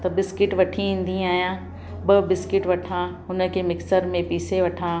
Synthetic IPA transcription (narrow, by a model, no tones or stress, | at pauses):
t̪ɐbɪskɪʈʋɐʈʰiĩːn̆d̪ĩaːɦjã | bɐbɪskɪʈʋɐʈʰã | ʊnə̆kʰemɪksəɾmẽpiːseʋɐʈʰãː